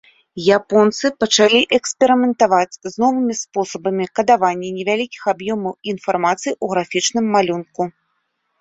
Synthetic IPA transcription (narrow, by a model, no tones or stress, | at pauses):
japɔnt̪sɨpɐt͡ʂalʲiʔɛksʲpʲɛɾɨmʲɛnt̪avat͡sʲznɔvɨmʲispɔsɐbɐmʲikɐd̪avanʲːɛnʲɛvʲalʲikʲi̥xabjɔmɐwinfarmat̪sɨjuɣɾafʲit͡ʂnɨmːalʲunku